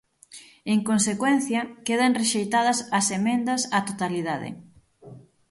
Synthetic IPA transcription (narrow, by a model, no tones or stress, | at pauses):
eŋkonsekwɛn̟θjɐkeð̞ɐŋreʃejt̪aðɐsɐsemẽnd̪ɐsɐt̪ot̪aliðaðɪ̰